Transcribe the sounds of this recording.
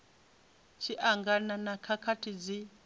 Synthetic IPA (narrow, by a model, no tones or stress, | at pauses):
t͡ʃʰiʔaŋɡananakʰakʰatʰid͡zi